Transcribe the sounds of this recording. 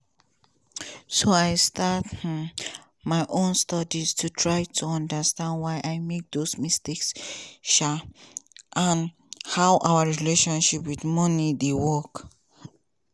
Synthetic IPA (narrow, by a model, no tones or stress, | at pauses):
soajstʰat | majʔõnstɔdistʰutʰɹajtʰuʌ̃ndəstãndwajʔajmek̚d̪osmisteksʃa | ʔãn | haʊʔawəɹileʃɔ̃nʃipwidmʌnidewɔk